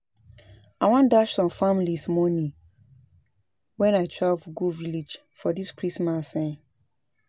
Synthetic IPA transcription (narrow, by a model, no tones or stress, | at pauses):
aɪwãndaʃsɔ̃mfamilismɔnĩ | wɛ̃naɪtʰɹavɡuvilid͡ʒ | fɔdiskɹismasãn